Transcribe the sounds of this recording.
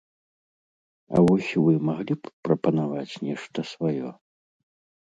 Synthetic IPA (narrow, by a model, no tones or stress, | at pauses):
ɐ̰vɔsʲvɨmaɣlʲippɾɐpɐnavat͡sʲnʲɛʂt̪ɐsvajɔ